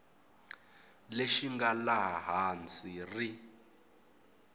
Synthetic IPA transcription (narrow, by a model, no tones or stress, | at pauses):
leʃiŋɡalaɦaɦant͡sʼiri